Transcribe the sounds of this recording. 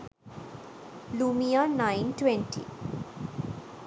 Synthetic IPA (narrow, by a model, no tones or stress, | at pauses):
lumijanajnʈwɛ̃nʈḭ